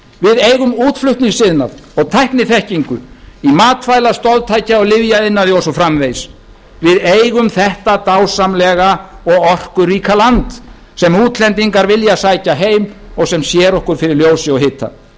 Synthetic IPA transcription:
vɪðejɣʏmuːt̪flʏht̪niŋsɪðnaðɔɣt̪ʰajhknɪθɛhciŋkʏ̰imaːt̪faːjlast̪ɔlt̪ʰaːjcaɔɣlɪvjaɪnːaðɪɔsɔfɾamvejs | vɪðejɣʏmθɛht̪at̪aːwsamlɛɣaɔɣɔr̥kʏriːkalant̪ | sɛmuːt̪lɛnt̪iŋkaɾvɪljasaːjcaɦeːjmɔɣsɛmsjɛɾɔhkʏɾ̥fɪɾɪɾljoːwsɪɔɣɦɪt̪ʰːa̰

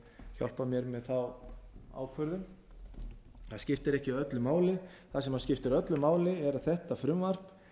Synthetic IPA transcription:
çɔ̰l̥pamjɛɾmɛðθawa̰ːwkʰvœɾðʏm | θaðscɪft̪ɪɾɛhcɪaœt̪lʏmaːwlɪ | θaðsɛmhascɪft̪ɪɾœt̪lʏmaːwlɪɛɾaθɛht̪afɾʏmvar̥p

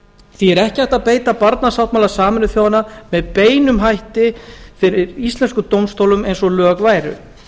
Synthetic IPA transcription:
θiɛɾɛhcɪajht̪aðpeːjt̪apaɾt̪nasawht̪maːlasaːmɪnʏθjaːwanːamɛðpeːjnʏmɦajht̪ɪfɪɾɪɾist̪lɛnskʏt̪owmst̪owlʏmejnsɔlœːkvaːjɾʏ̰

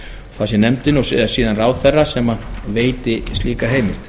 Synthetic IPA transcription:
θasjɛnɛmt̪ɪnɔɣssiːðanraːwðθɛrːasɛːmaveːjt̪ɪst̪liːkaɦeːjmɪlt̪

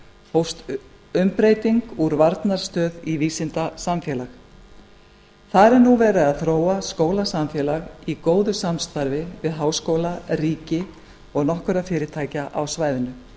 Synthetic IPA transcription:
howst̪ | ʏmpɾeːjt̪iŋkuɾvaɾt̪naɾ̥st̪œːðiviːsɪnt̪asamfjɛːlax | θaɾɛɾnuvɛːɾɪaðθɾoːwaskoːwlasamfjɛːlaɣikoːwðʏsamst̪aɾvɪvɪðɦaːwskoːwlariːcɪ | ɔɣnɔhkʏɾafɪːɾɪt̪ʰaːjcaʔawsvaːjðʏnʏ

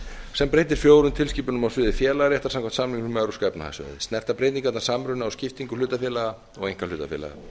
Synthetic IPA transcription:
sɛmpɾeːjt̪̬ɪɾ̥fjoːwɾʏnt̪ʰɪlsciːpʏnʏmawsɪːðɪfjɛːlaɾɛht̪ḁɾsamkʰam̥t̪samliŋknʏmɛɾuskɛpna̰ha̰sœ̰ðɪst̪nɛr̥t̪apɾejt̪niŋkvaɛt̪nḁsamɾʏnaawscɪft̪iŋkʏlʏːt̪afjɛːlaɣa | ɔɣejŋ̥kalʏːt̪a̰fjɛ̰ːla̰ɣa̰

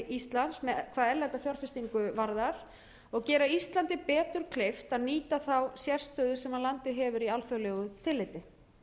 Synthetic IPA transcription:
ʔist̪lansmɛkʰvaːðɛɾlat̪afjaɾ̥fɪst̪iŋkʏvaɾðaɾ̥ | ɔɣcɛːɾaist̪lant̪ɪpɛːt̪ʏɾ̥kʰleft̪aðniːt̪aθawsjɛr̥st̪œːðʏsɛmaðlant̪ɪɦɛvʏɾialfœwlɛɣʏt̪ʰɪlːɪjt̪ɪ

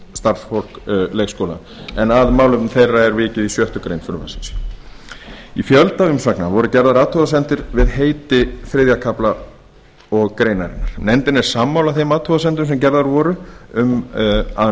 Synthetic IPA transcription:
st̪aɾ̥sfol̥kleːjxskoːwla̰ | ɛnaðmaːwlʏmθejrːaɛɾvɪːcɪðisjœht̪ʏkɾejnfʏɾʏma̰sɪ̥ns | ifjœlt̪aʏmsvaknavɔɾʏcɛɾðaɾat̪hɔðasɛnt̪ɪɾvɪðɦeːjt̪ɪfɾɪːðjakʰapla | ɔɣkɾeːjnaɾɪ̰nːaɾ̥nɛnt̪ɪnɛɾ̥saːmːawlaθejmaːt̪ʰhɔðasɛnt̪̬ʏms̬ɛmcɛɾðaɾvɔːɾʏʏma

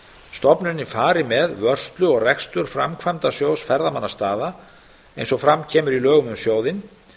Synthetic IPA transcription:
st̪ɔpnʏnɪfaːɾɪmɛðvœr̥st̪lʏɔɣrɛkst̪ʏɾ̥fɾa̰mkʰvajmt̪asjowsfɛɾðamanːast̪aːða | ejnsɔɣfɾamcʰɛːmʏɾilœːɣʏmʏmsjoːwðɪn

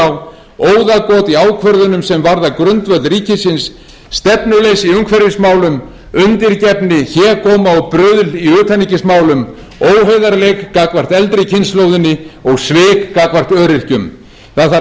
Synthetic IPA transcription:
w | oːwðakɔːt̪iaːwkʰvœɾðʏnʏmsɛmvaɾðakɾʏnt̪vœt̪lriːcɪsɪnsː | t̪ɛpnʏlejsiʏŋkʰvɛɾɪsmaːwlʏm | ʏnt̪ɪɾcɛpnɪçɛːɾkʰɔːmaɔpɾœːðliʏːt̪ʰanːicɪsmaːwlʏm | oːwɦejðaɾlekːakvar̥t̪ɛlt̪ɾɪcʰɪnsloːwðɪnːɪɔɣsvɪːkːakvar̥t̪œːɾɪr̥cʏm | θaθa

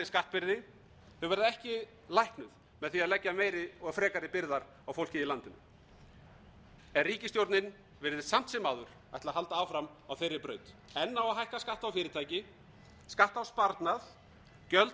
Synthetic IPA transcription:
ɪskaht̪̚pɪɾðɪ | θœvɛɾðɪɛhcɪ | lajhknʏð | mɛðθiaðlɛcːameːjɾɪɔɣafɾɛːkaɾɪpɪɾðaɾ | awfowl̥cɪilant̪ɪnʏ̰ | ɛnriːcɪst̪jowɾt̪nɪn | vɪɾðɪsam̥t̪sɛmːaːðʏɾ̥ | a̰jht̪laɦalt̪aaːwfɾamawθejɾːɪpɾœːɥt̪ | ɛnːawaɦajhkaskaht̪awfɪːɾɪt̪ʰaːjcɪ | skaht̪awspaɾt̪nað | cœlt̪

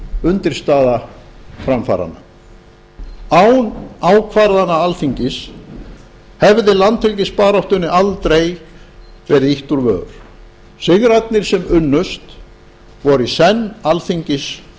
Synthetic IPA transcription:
ʏnt̪ɪɾ̥st̪aːðafɾamfa̰ːɾa̰nːa | awnawkʰvaɾðanaalθiɲcɪs | hɛvðɪlant̪ʰɪlcɪspaːɾɔht̪ʏnːɪalt̪ɾej | vɛɾɪiht̪uɾvœ̰ːɾ̥ | sɪɣɾat̪nɪɾ̥sɛmʏnːʏst̪ | vɔɾisɛnːalθiɲcɪs

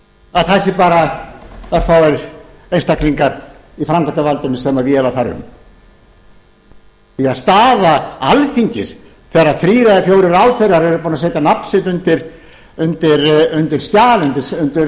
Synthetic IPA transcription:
aðθajsɪpaːɾa | aðθawɛɾ | ejnst̪akliŋkaɾ | ifɾamkʰant̪avalt̪ɪnɪsɛmaðvjɛːlaθaɾʏ̰m | iaðst̪aːðaalfiɲcɪs | θɛːɾːaðfɾiːɾaðɪfjowɾɪɾawθejrːaɾɛɾʏpunaseːjt̪anapn̥sɪt̪ʏnt̪ɪɾ̥ | ʏnt̪ɪɾʏnt̪ɪɾ̥st̪jaːlʏnt̪ɪɾsʏnt̪ɪɾ

